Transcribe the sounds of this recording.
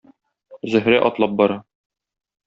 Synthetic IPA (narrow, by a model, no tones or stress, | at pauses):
zɵ̆ɦɾæʔɒt̪lˠɑp̚bɒɾɑ